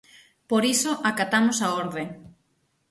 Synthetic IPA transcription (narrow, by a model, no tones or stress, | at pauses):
poɾisoʔakat̪amosaoɾðe